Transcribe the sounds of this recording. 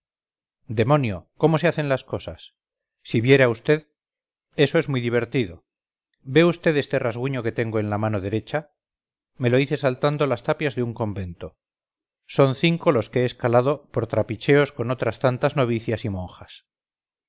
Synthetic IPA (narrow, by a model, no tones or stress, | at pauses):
d̪e̞mõ̞njo̞ko̞mo̞se̞aθe̞nlasko̞sasː | iβje̞ɾeaust̪e̞ð | e̞so̞e̞zmujðiβe̞ɾt̪iðo̞ | be̞ust̪e̞ðe̞st̪e̞razɣuɲo̞ke̞t̪e̞ŋɡo̞e̞nlamano̞ðe̞ɾe̞t͡ʃa | me̞lo̞iθe̞salt̪and̪o̞last̪apjazðeuŋko̞mbe̞nt̪o | so̞nθiŋko̞lo̞skeeːskalaðopo̞ɾt̪ɾapit͡ʃe̞o̞sko̞no̞t̪ɾast̪ant̪azno̞β̞iθjasimõ̞ŋxas